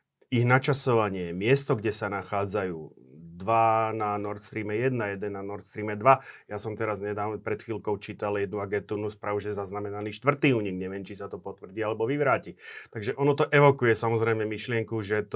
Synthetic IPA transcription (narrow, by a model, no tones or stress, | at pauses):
iɣnat͡ʃasɔʋaɲɪɛmɪɛst̪ɔɡɟɛsanaxaːd͡zajuː | d̪ʋananɔɾt̪st̪ɾiːmɛjɛd̪najɛd̪ɛnːanɔɾt̪st̪ɾiːmɛd̪ʋajasɔmt̪ɛɾazɲɛd̪aːʋnɔpɾɛt̪xiːlkɔʊt͡ʃiːt̪aljɛd̪nuaɡɛnt̪unuːspɾaːʋuʒɛzaznamɛnaliːʃt̪ʋr̩t̪iːuːɲiɡɲɛʋɪɛmt͡ʃisat̪ɔpɔt̪ʋr̩ɟiːalɛbɔʋiʋɾaːcit̪aɡʒɛʔɔnɔt̪ɔʔɛʋɔkujɛsamɔzɾɛɪmɛmiʃlɪɛŋkuʒɛt̪